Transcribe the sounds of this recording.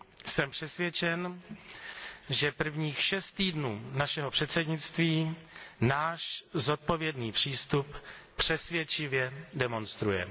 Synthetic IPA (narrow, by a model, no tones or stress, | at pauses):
sɛmpr̝̥ɛsvjɛt͡ʃɛn | ʒɛpr̩vɲiːxʃɛst̪iːdnuːnaʃɛɦo̞pr̝̥ɛt̪sɛdɲɪt͡st̪viːnaːʃzot̪̚po̞vjɛdniːpr̝̥iːst̪uppr̝̥ɛsvjɛt͡ʃɪvjɛdɛmo̞nst̪ɾujɛ̰